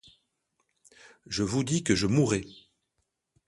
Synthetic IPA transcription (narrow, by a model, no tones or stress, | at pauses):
ʒəvud̪ikəʒəmuʁɛ